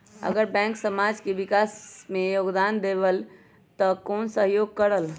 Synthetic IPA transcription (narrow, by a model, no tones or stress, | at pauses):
ə̰ɡəɾbɛ̃ŋksəmad͡ʒkebikasmejoɡd̪and̪ebəl | t̪ɔkonsəɦjoɡ̚kəɾəl